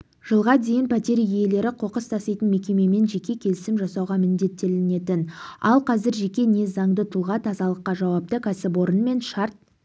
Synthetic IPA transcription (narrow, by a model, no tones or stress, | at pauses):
ʒ̥əlˠʁɑd̪e̞jɪnpʰæt̪e̞ɾije̞le̞ɾɪqʰo̞qəst̪ʰɑsɑjt̪ənme̞kʲe̞me̞me̞nʒe̞kʲe̞kʲʰe̞lɪsɪmʒɑsɑwʁɑmɪnd̪e̞t̪ːe̞lɪne̞t̪ɪnɑ̰lˠqʰɑzɪɾʒe̞kʲe̞ne̞zɑɴd̪ət̪ʰulˠʁɑt̪ʰɑzɑlˠəqːɑʒɑwɑp̚t̪əkʲʰæsɪpwo̞ɾənme̞nʃɑɾt̪̚